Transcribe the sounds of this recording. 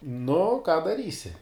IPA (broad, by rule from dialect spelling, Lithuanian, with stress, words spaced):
nʊ kɑː dɐˈrʲiːsʲɪ